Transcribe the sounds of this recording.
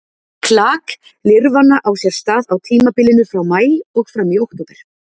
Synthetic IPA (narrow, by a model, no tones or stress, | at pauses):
kʰlaːk | lɪɾvanːaʔawsjɛɾ̥st̪aːðawt̪ʰiːmapɪlɪnʏfɾawmaːjɔɣfɾamiowht̪ɔpɛɾ̥